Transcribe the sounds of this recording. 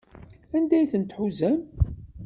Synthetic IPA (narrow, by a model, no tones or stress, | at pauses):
ænd̪æjθənt̪ħuzæm